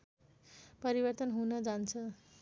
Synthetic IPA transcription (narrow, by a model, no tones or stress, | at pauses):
pʌɾibʌrt̪ʌnɦunʌd͡zant͡sʰʌ